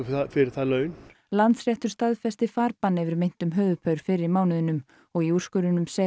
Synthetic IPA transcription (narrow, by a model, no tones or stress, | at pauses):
fɪɾɪɾ̥θaðlœːɥn | lant̪srjɛht̪ʏɾ̥st̪aðfɛst̪ɪfaːɾpanːɪvɪɾmejn̥t̪ʏmɦœːðʏpʰœɥɾ̥fɪɾɪɾmaːwnɪðʏnʏm | ɔɣiur̥skʏɾʏnʏmsɛ